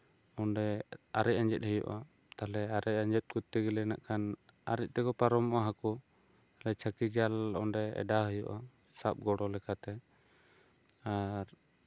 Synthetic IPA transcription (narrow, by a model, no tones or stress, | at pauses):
ɔɳɖɛaɾɛc̚aɲd͡ʒɛt̪̚həjṵʔa | t̪alɛaɾɛcaɲd͡ʒɛt̪̚kut̪ːiɡɛlɛnaʔkʰana̰ɾɛc̚ˀt̪ɛkɔpaɾɔmɔʔaɦakɔ | alɛt͡ʃʰakid͡ʒalɔnɖɛɛ̰ɖaɦəjuʔa | sap̚ɡɔɽɔlɛkat̪ɛ | aɾ